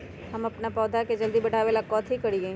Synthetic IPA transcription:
ɦɐmɐpnapɔːd̪ʱaked͡ʒɐld̪ibɐɽ̤ʱaːʋelakːɔːt̪ɦikɐɽiɡɐĩ

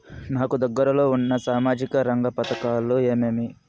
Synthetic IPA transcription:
naːkud̪ɐɡːɐɾɐlo̞ːunːɐsaːmaːd͡ʒikɐɾɐŋɡɐpɐt̪ɐkaːlːueːmeːmi

